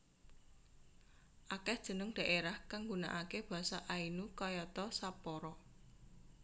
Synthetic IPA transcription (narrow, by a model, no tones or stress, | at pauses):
ʔakɛhd̥ʒ̥ə̤nʊŋd̪̥ä̤ʔeɾahkaŋɡuna̰ʔakeb̥a̤saʔainukɔjɔt̪ɔsapɔɾɔ